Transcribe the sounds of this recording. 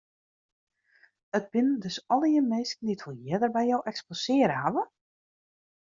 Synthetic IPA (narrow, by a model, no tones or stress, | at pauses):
ət̚b̥ɪndɵsɔlˠəjəmeːsknditfulˠjɛdərbɛjɔwʔɛksposɪəɾəɦaʋə